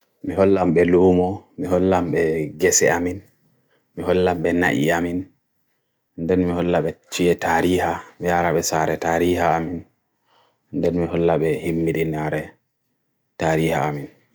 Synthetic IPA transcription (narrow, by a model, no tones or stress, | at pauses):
miɦɔlːamɓɛluːmɔmiɦɔlːamɓɛɡɛsɛ̰amin | miɦɔlːamɓɛna̰ʔḭamin | ndɛnmihɔlːaɓɛt͡ʃijɛtaɾiːhamijaɾaɓɛsaɾɛtaːɾiːhaːmin | ndɛnmiɦɔlːaɓɛhimːiɗinaɾɛ | taɾiːhaamin